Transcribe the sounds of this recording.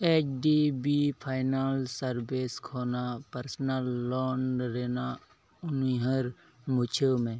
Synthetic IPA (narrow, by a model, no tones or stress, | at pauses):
eːt͡ʃɖiːbiːpʰaːɪnaːlsəɾbeːskʰoːnapəɾsnalːɔːɳɾeːna | ʊniɦəɾ | mʊt͡ʃʰemẽː